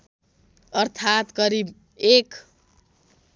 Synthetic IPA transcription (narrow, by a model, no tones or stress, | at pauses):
ʌrt̪ʰat̪kʌɾib | ek